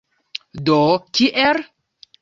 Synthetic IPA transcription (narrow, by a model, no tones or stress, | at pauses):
d̪okiʔeɾ